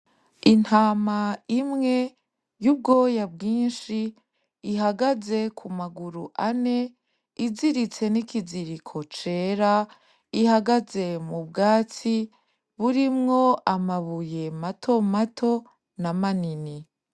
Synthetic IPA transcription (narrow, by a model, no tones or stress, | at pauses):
in̥haːmaimŋe̞ | jub̚ɡo̞ːjabɡiːnʃiː | ɦaɡaze̞kʰumaɡuɾuʔane̞ | iziɾit͡se̞nikiziɾikʰo̞t͡ʃe̞ːɾa | ihaɡaze̞mubɡaːt͡si | βuɾimŋo̞ʔamaβuje̞matʰo̞matʰo̞ | namanini